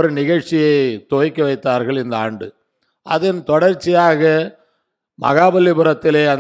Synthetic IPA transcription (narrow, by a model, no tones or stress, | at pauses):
ɾɯnɪɣɐɻt͡ʃɪjɐɪt̪oːjkːɐʋɐɪt̪ːaːɾɣɐɭɪnd̪ɐa̰ːɳɖɯ | ʔɐ̰ðɪnt̪ɔɽɐɾt͡ʃːɪjaːɣɐ | mɐ̰ɣaːbɐlːɪpɯɾɐt̪ːɪleːɐn